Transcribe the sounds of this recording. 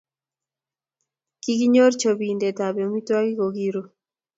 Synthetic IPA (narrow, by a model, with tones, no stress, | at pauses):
ki˦ki˦ɲo˦ɾt͡ʃo˨bi˨nde˨ta˨bɛ˨mi˦twa˦ki˦ɡo˨ɡi˦ɾo˨